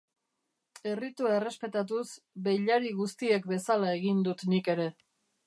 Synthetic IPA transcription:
e̞rit̪uae̞re̞spe̞t̪at̪̬us | be̞jʎaɾiɣust̪ie̞k̚be̞salae̞ɣind̪ut̪nike̞ɾe̞

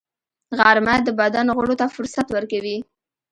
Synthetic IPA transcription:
ɣaɾmad̪əbad̪anɣʊɽot̪afʊɾsat̪wəɾkawi

